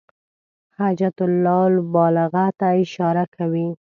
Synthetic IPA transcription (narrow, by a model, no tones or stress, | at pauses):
had͡ʒat̪ʊlːɑlbɑlɪɣat̪aɪʃɑɾakʰawi